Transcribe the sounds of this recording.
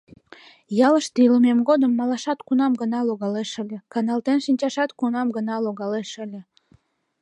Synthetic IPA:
jɑləʃt̪iləmemɡod̪əmːɑlɑʃɑt̪kunɑmɡənɑloɣɑleʃə̆lʲə̆kɑnɑlt̪enʃinʲt͡ɕɑʃɑt̪kunɑmɡənɑloɣɑleʃə̆lʲə̆

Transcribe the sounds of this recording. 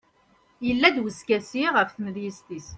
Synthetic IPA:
jəlːæd̪wəskæsiʁəfθəməðjist̪is

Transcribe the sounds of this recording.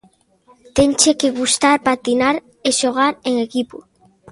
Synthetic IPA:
t̪eŋt͡ʃekeɣust̪aɾpat̪inaɾ | eʃoɣ̞aɾeŋekipo

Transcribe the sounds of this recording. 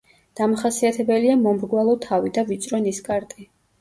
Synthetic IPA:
d̪̥amaχasiat̪ʰɛbɛliamɔmɾɡwalˠɔt̪ʰavid̪avit̪sʼɾɔniskʼaɾt̪ʼi

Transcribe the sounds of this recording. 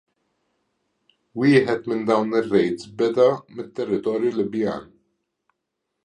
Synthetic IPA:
wiːħɛt̪mɪnd̪ɐwnɪrːɛjt̪sbɛd̪ɐmɪt̪ːɛrːɪt̪ɔːɾjulɪbja̰ːn

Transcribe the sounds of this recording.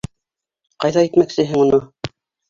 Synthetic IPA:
qɑjðɑit̪mæksɘ̆ɦɘŋunɤ

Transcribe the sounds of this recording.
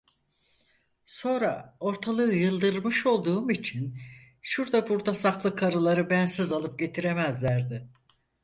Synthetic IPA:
so̞nɾa̰o̞ɾt̪ʰalˠɯjɯlˠd̪ɯɾlˠmɯʃo̞lˠd̪uːmit͡ʃʰin | ʃuɾd̪abuɾd̪asaklˠɯkʰaɾɯlˠaɾɯbænsizalˠɯp̚ɟe̞t̪ʰiɾe̞mæzlʲæɾd̪ɪ

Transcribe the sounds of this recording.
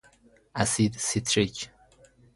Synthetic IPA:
æsid̪sit̪ʰɾic

